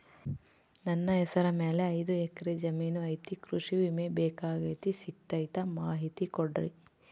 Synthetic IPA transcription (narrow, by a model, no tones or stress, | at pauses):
nɐnːɐɦɛsɐɾɐmeːleɐjd̪uɛkɐɾed͡ʒɐmiːnuɐjt̪ikɾuʂiʋimebeːkaːɡɐjt̪isik̚t̪ɐjt̪ɐmaːɦit̪ikɔɖɾḭ